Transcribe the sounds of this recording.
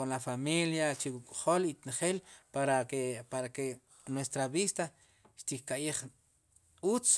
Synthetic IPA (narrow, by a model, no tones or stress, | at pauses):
onlafamiljat͡ʃiwukʼχolit̪inχeːlpaɾaepaɾake | nwest̪ɾaβist̪a | ʃt̪ikkajeχ | ut͡s